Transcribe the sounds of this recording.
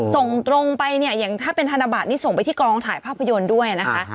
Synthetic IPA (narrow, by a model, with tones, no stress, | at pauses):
so˨˩ŋt̪ɾo˧ŋpa˧jni˥˩ɐja˨˩ŋt̪ʰaː˥˩pe˧nt̪ʰa˧naː˧baː˨˩t̪̚niː˦˥so˨˩ŋpa˧jt̪ʰiː˥˩kɔː˧ŋt̪ʰaː˨˦jpʰaː˥˩pʰːa˧jo˧ndu˥˩əjna˦˥kʰa˦˥ʔ